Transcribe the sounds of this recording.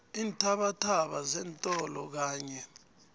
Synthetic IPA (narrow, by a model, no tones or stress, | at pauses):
iːntʰaɓatʰaɓazɛntʼɔlɔk̬aːɲɛ